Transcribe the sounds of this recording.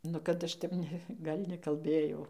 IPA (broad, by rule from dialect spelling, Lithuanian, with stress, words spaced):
ˈnʊ kɐt ˈɐʃ tʲɛp ˈnʲɛ ˈɡɐlʲ nʲɛkɐlʲˈbʲeːjɛʊ